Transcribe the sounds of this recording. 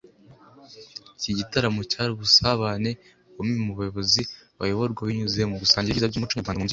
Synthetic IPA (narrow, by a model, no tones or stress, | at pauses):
ciɟitaɾamucaɾuβusaβaːne̞ | omimuβujo̞βo̞ziβa̰jo̞βoɾɡwaβiɲuzeemuβusaːɲɟiizabɟuːmut͡ʃuːmaːuz